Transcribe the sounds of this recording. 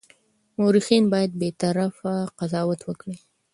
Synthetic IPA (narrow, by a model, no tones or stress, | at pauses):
moɾixinbɑjad̪̚bet̪aɾafaqazɑwat̪wəkɽi